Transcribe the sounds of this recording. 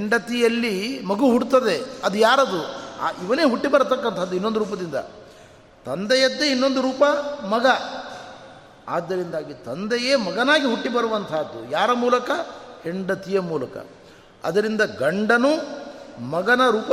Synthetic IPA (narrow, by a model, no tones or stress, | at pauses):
ɦeɳɖɐt̪ijɐlːimɐɡuɦuɽt̪ɐd̪e̞ɐd̪ujaːɾɐd̪ua̰ːiʋɐneːɦuʈːibɐɾɐt̪ɐkːɐnt̪ʰɐɐd̪ːuinːond̪uɾuːp̬ɐd̪ind̪ɐ̰ | t̪ɐnd̪ɛjɐd̪ːeinːo̞nd̪uɾuːpɐmɐɡɐ | aːd̪ːɐɾind̪aːɡit̪ɐnd̪ɐjeːmɐɡɐnaːɡiɦuʈːibɐɾuʋɐnt̪ʰaːd̪ːujaːɾɐmuːlɐkɐheɳɖɐt̪ijɐmuːlɐkɐ̰ | ɐ̰d̪ɐɾind̪ɐɡɐɳɖɐnu | mɐɡɐnɐɾuːpɐ